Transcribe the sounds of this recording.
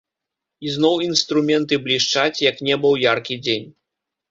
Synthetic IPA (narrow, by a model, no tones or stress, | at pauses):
iznɔwinst̪ɾumʲɛnt̪ɨblʲiʂt͡ʂat͡sʲjɐknʲɛbɨwjarkʲid͡zʲenʲ